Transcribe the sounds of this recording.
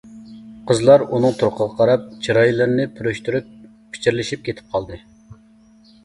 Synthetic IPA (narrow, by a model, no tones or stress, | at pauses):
qʰəzlˠɑɾunɨŋt̪ʰuɾqʰəʁɑqʰɑɾɑp̚t͡ʃʰiɾɑjilˠɨɾnɪpʰyɾyʃt̪yɾyp̚ | pʰːi̥t͡ʃʰiɾlɪʃip̚kʲʰet̪ʰɪ̥p̚qʰɑlˠd̪ɨ